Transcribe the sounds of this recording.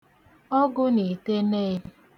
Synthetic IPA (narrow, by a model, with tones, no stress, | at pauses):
ɔ˦ɡʊ˦ne˨te˦neː˦